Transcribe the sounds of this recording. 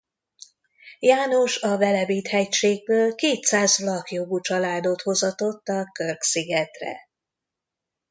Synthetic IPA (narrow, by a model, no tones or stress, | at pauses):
jaːno̞ʃɒvɛlɛbiːt̪hɛcʃeːɡ̚bøːlkeːt̪saːzlɒkjo̞ɡut͡ʃɒlaːd̪o̞t̪ho̞zɒt̪o̞t̪ːɒkørksiɡɛt̪rɛ̰